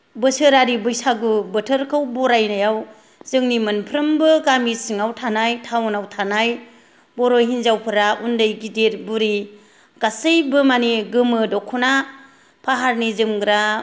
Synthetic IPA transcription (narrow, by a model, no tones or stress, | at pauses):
bɯsɯɾaɾibɯjsaɡubətʰəɾkʰɯwbɔɾajnajaw | zɯŋnimɯnpʰɾɯmbɯkamisɯŋawtʰanajtʰawnawtʰanaj | bɔɾojɦinzawpʰɯɾaundɯjɡideɾbuɾi | ɡ̥asɯjbɯmaniɡɯmɯdɔkʰɔna | pʰaɦaɾnizɯmɡɾa